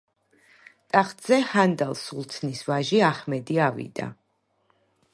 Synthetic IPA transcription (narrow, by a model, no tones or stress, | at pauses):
t̪ʼaχt̪ʼz̥ɛhand̪alˠsulˠt̪sʰnisvaʒiaχmɛd̪iavḭd̪a̰